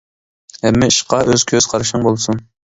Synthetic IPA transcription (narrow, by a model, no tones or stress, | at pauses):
hɛmːɪiʃqɑʔøz̥kʲʰøz̥qʰɑɾɨʃɨŋbolˠsun